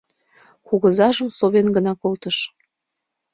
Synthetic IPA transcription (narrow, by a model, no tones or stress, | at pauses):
kuɣəzɑʒəmsoβenɡənɑkolt̪əʃ